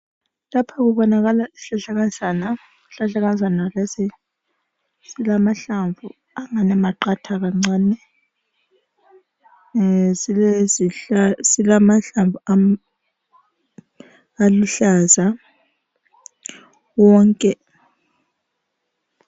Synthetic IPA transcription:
lapʰaɣuɓɔnaɣalaisiɬaɬaɣazana | ɬaɬaɣazanalasɛ | silamaɬaɱvu | aŋanɛmaǃatʰaɣ̬aŋ͡ǀaːnɛ | ziɛzisilamaɬaɱvua | aluɬaza | wɔŋkʼɛ

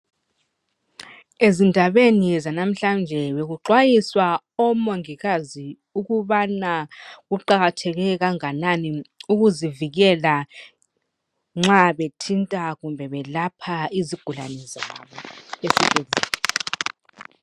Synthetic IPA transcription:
ezindʱaβenizanam̩ɬand͡ʒʱɛβeɣuǃwajiswa | ɔmoŋiɣazi | uɣuβanaɣuǃaɣatʰɛɣɛɣaŋananiuɣuziviɣɛla | ŋ͡ǁaβetʰintʼaɣumbʱɛβɛlapʰaiziɡ̥ʱulanɛzaa̰βɔesikezʱɛ̰lɛ

